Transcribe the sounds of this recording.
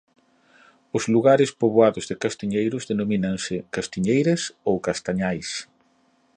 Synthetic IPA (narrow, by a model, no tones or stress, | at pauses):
ʊzluɣaɾɪspoβoaðʊzðɪkast̪iɲejɾʊzðenominaŋsɪkast̪iɲejɾɐsowkast̪aɲajs